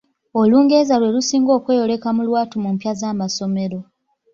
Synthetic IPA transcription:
o̞luːŋɡe̞ːzalwe̞lusiːŋɡo̞ːkwe̞ːjo̞le̞kamulwaːtumumpjazaːmaso̞me̞ɾo̞

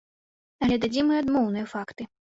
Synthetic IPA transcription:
ɐlʲɛd̪ad͡zʲimɨad̪mɔwnɨjɐfakt̪ɨ

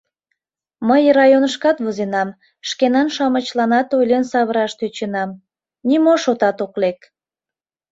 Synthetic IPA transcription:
məjrɑjonəʃkɑt̪βozenɑm | ʃkenɑnʃɑmət͡ɕlɑnɑt̪ojlʲensɑβəɾɑʃt̪øt͡ɕenɑm | nimoʃot̪ɑt̪oklek

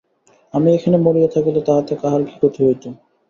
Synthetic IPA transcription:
amiekʰanemoɾijet̪ʰakelet̪aɦat̪ekaɦaɾɡikot̪ʰeɦojt̪ʰi

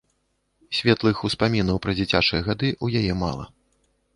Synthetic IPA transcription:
sʲvʲɛt̪lˠɨxuspamʲinɐwpɾɐd͡zʲit͡sʲat͡ʂɨjɛɣad̪ɨʔujajɛma̰lˠɐ̰

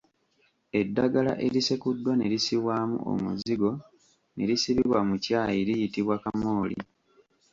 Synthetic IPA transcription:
e̞dːaɡala̰ʔe̞ɾisekudːwane̞ɾisiwaːmṵʔo̞̰muziɡo̞ | ne̞ɾisiβiβwamucaːjiɾijitiβwakamoːlḭ

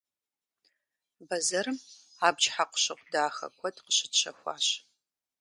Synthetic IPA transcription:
bɐzɐɾɨm | aːbt͡ʃħaqʷʊ̥ɕɐqʷdaːxɐ̰kʷʰɔdqəɕɪtɕʰɐ̰xʷɑ̰ːɕ

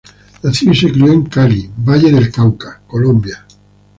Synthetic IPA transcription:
naθiisekɾieŋkalibaʎeðelkawkakolõmbja

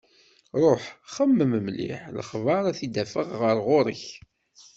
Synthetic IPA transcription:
ɾˤoħχəmːəməmlḭħləχvɑɾˤæθid̪æfəʁːəɾˤʁʊɾˤəç

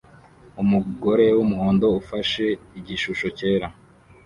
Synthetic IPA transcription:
umuɡo̞ɾe̞wumuhoːndo̞ufaʃe̞iɟiʃuʃo̞ce̞ːɾa

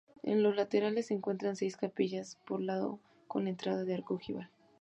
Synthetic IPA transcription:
ḛnlo̞zlat̪e̞ɾalesːeŋkwe̞nt̪ɾanse̞jskapiʝaspoɾlaðo̞̰ | ko̞̰ne̞nt̪ɾaðaðeaɾkoxiβal

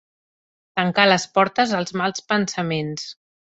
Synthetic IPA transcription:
t̪əŋkaləspɔɾt̪əzəlˠzmalˠspənsəmens

